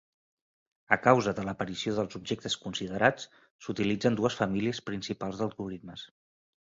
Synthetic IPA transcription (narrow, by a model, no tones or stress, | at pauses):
əkawzəðələpəɾisioðəlˠzub̚ʒek̚t̪əskunsiðəɾat͡s | sut̪ilid͡zənd̪uəsfəmiliəspɾinsipalˠzðəlˠɣuɾit̪məs